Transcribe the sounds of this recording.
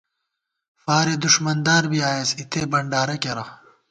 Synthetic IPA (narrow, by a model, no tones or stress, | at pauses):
faːɾed̪uʂmɐnd̪aːɾbijaːesit̪ʰeːbɐɳɖaːɾɐkeɾa